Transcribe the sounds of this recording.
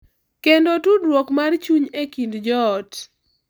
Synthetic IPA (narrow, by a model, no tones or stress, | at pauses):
kendotudwɔkmart͡ʃuɲekindd͡ʒɔt